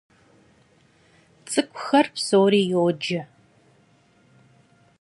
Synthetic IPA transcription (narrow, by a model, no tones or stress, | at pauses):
t͡sʼɨkʷʼʊxɐrpsoːɾiːjod͡ʒɐ